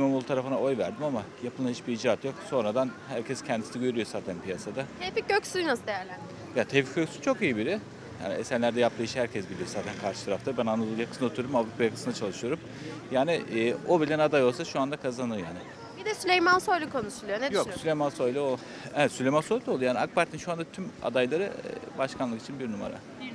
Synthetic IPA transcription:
manulˠt̪ʰaɾafɯnaʔo̞jvæɾd̪imamajapʰɯlˠahit͡ʃbiid͡ʒaːt̪jo̞kso̞nɾad̪anhæɾcʰɛscʰɛnd̪isinɛɟø̞ɾyjo̞zaːt̪ʰænpijasad̪aefic̚ɟøcsynasɯd̪ejæɾlʲæn | jat̪ʰɛfi̥c̚ɟøcsy̥t͡ʃʰo̞kijibiɾɪ | ja̰ːniesænlʲæɾd̪ɛjap̚t̪ɯiʃhæɾcʰɛsɟilijo̞zaːt̪ʰænkʰaɾʃɯ̥t̪ʰaɾaft̪abænanˠad̪ɯlˠjakɯ̥sɯnaouɾumavɾupʰajakɯ̥sɯnat͡ʃʰalˠɯʃɯjo̞ɾum | jaːniːobilʲænad̪ajo̞lˠsaʃuand̪akʰazanɯjaːnɪ | bid̪ɛsylʲejmansojlʲˠukʰo̞nuʃulˠujonejokssylʲejmansojlʲˠuo | ɛɛt̪sylʲemanso̞jlʲˠolˠujaːnʲak̚baɾt̪ʰinʃuand̪at̪ʰyma̰d̪ajlˠaɾɯ̰baʃkʰanlˠɯki̥t͡ʃʰinbiɾnuma̰ɾa̰

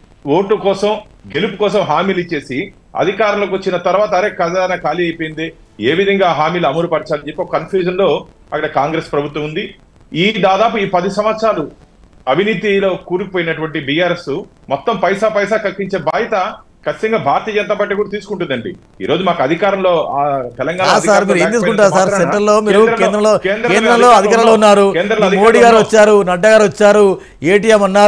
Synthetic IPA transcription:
woːʈːukɔːsɐm | ɡe̞lupukɔːsɐmɦaːmiːlit͡ʃːe̞ːsi | ɐ̰d̪ʱikaːɾɐmloːkʋot͡ʃːinɐt̪ɐɾʋaːt̪ɐɾeːkɐd̪aɐnɐːkaːliɐjpojind̪eː | eːʋid̪ʱɐŋɡaːɦaːmiːlɐmɐɾupɐɾt͡ʃaːlid͡ʒepːokɐkɐnpʰjuːʃɐnlo̞ː | ɐkːɐɽɐkaːŋɡɾe̞spɾɐbʱut̪ːwɐmund̪i | iːd̪aːd̪aːp̬uiːpɐd̪isɐmɐt̪sʂaːlu | ɐbʱiniːt̪̬ilo̞ːkuːɾukipoːjinɐʈuʋɐɳʈibijaːɾe̞su | mɔt̪ːɐmpɐjsaːpɐjsaːkɐkːiɲt͡ʃe̞ːbaːjɐt̪ɐ | kɐt͡ʃːi̥t̪ɐŋɡaːbʱaːɾt̪iɐd͡ʒɐnt̪aːpaːʈ̬ikuːɽɐt̪iːsu̥kuɳʈund̪ɐɳɖḭ | ḭːɾo̞ːd͡ʒumaːkɐɐd̪ʱikaːɾɐmlo̞ːat̪ɛlɐŋɡaːaːsaːɾmiːɾueːnt̪iːskuɳʈːunaːɾussaːɾseɳʈɐllo̞ːmiːɾuɾɐkeːnd̪ɾɐmloːkeːnd̪ɾkeːnɾɐmlo̞ːɐd̪ʱikkaːɾɐmloːunːaːɾueːnd̪ɾɐmloɐd̪imoːɽiɡaːɾuʋɐt͡ʃːaːɾunɐɖːɐɡaːɾʋɐt͡ʃːaːɾu | eːʈ̬ijɐmɐnːaː

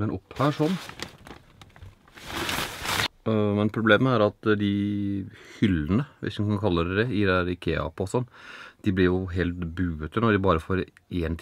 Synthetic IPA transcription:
ɛnʔɔphæːʂɔnː | mɛnpʰɾʊbleːməæɾɑt̪d̪ɪ | hʏlːənəʋʔɪ̰shkɑnkʰɑlːəɾɛd̪ɛɪd̪ɛæːɾɪkʰḛːɑ̰pɔsɔnːd̪̥ɪblɪɾjʊɦeːlt̪bʉːət̪ənɔɖ̪ɪbɑːɾəfoːɾʔeːnt̪ʰ

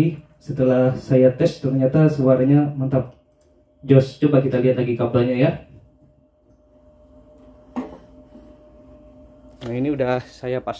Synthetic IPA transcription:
i | sət̪əlahsajat̪ɛst̪ərɲat̪asəwaɾaɲamənt̪ap̚ | d͡ʒɔst͡ʃubakit̪aliɦat̪̚laɡikablaɲaja | nainiudahsajapas

